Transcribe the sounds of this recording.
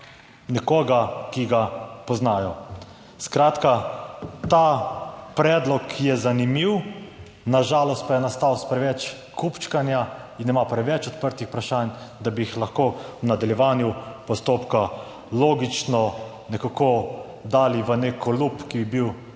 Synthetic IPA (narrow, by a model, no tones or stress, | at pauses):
nɛkoːɡakiɡapɔznaːjɔ | skɾaːt̪ka | t̪apɾɛːd̪lɔkːjɛzanimiw | naʒaːlɔst̪̚pajɛnast̪awspɾɛʋɛt͡ʃ | kʰupt͡ʃkanja | inːɛmapɾɛʋɛt͡ʃɔt̪pəɾt̪ixpɾaʃand̪abiixlaxkoːwnad̪aljɛʋaːnjupɔst̪oːpka | loːɡit͡ʃnɔ | nɛkako | d̪aːliʋənekʰɔlupkibibiw